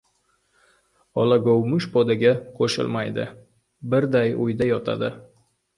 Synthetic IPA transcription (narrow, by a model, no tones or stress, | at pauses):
ɒlaɡowmʊʃpɒd̪aɡʲaqʰoʃɪ̰lˠmajd̪ɪ̰ | bɪɾd̪ajojd̪ajɒt̪ʰa̰d̪ɪ